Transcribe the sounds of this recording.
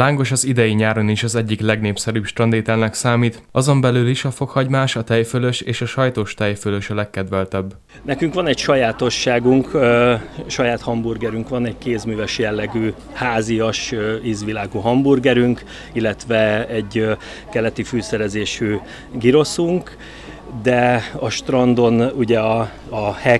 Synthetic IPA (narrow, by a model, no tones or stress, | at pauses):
laːŋɡo̞ʃɒzid̪ɛjiɲaːɾoniʃɒzɛɟːiklɛɡneːpsɛɾyːpʃt̪rɒnd̪eːt̪ɛlnɛksaːmiːt̪ʔɒzo̞mbɛlyliʃɒfo̞khɒɟmaːʃɒt̪ɛjføløʃeːʃɒʃɒjt̪oːʃt̪ɛjføløʃɒlɛkːɛd̪ʋɛlt̪ɛbː | nɛkyŋkʋɒnɛcʃɒjaːt̪o̞ʃːaːɡuŋk | ʃɒjaːt̪hɒmburɡɛɾyŋkʋɒnɛɟkeːzmyːvɛʃjɛlːɛɡyː | haːzijɒʃiːzʋilaːɡuɦɒmburɡɛɾyŋk | ilːɛt̪ʋɛɛɟ | kɛlɛt̪ifyːsɛɾɛzeːʃyː | ɡiɾo̞suŋk | d̪ɛɒʃt̪rɒnd̪o̞nuɟɛɒ | ɒhɛ